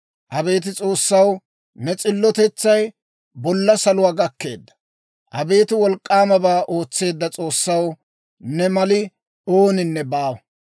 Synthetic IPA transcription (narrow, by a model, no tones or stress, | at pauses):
ʔɐbe̞ːt̪̬ɪt͡sʼo̞ːsːɐw | nɛt͡sʼɪlːɔt̪ɛt͡sːɐj | bɔlːɐsɐlʊwaːɡɐkːe̞ːd̪ːɐ̥ | ʔɐbe̞ːt̪ɪwɔlkʼːaːmɐbaːʔo̞ːt͡sːe̞ːd̪ːɐt͡sʼo̞ːsːɐw | nɛmɐlɪ | o̞ːnɪnːɛbaːwɐ